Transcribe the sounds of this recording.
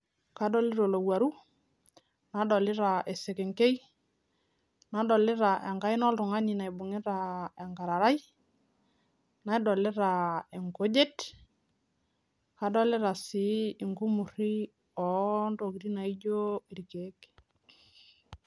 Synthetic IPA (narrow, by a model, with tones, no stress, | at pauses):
ka˦dɔ˦lɪ˦ɾo˨lo˨wa˨ɾu˦ | na˨˦dɔ˨lɪ˦ɾa˨ʔe˨se˨ke˨ŋke˦j | na˨dɔ˨lɪ˦ɾa˨ʔɛ˨ŋɡa˦i˦nɔ˦ltʊ˨ŋa˦ɲi˨na˨i˨bʊ˨ŋɪ˦ɾa˨ɛ˨ŋɡa˨ɾa˨ɾa˦j | na˨i˦dɔ˨lɪ˦ɾa˨e˨ŋko˦d͡ʒe˦t | ka˨dɔ˦lɪ˦ɾa˨sɪː˨˦˨ŋɡu˦mu˨ɾi˦ | ɔ˨ndo˨ki˨ɾi˦na˨i˦d͡ʒo˦i˨ɾi˨ke˨˦k